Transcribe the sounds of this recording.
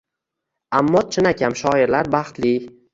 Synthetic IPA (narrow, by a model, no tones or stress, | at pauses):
amːɒt̪t͡ʃʰɪnakʲʰamʃɒɪɾlaɾbaχt̪li